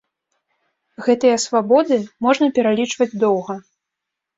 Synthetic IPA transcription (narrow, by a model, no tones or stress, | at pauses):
ɣɛt̪ɨjɐsvabɔd̪ɨmɔʐnɐpʲɛɾalʲit͡ʂvɐd͡zʲd̪ɔwɣɐ